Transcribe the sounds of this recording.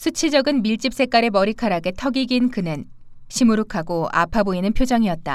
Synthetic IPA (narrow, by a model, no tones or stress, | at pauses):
sʰut͡ɕʰid͡ʑʌɡɯnmiɭt͡ɕ͈ip̚s͈e̞k͈aɾemʌɾikʰaɾaɡe̞tʰʌɡiɡinkɯnɯn | ɕʰimuɾukʰaɡoa̰pʰaboinɯnpʰjod͡ʑʌŋiʌt̚t͈a̰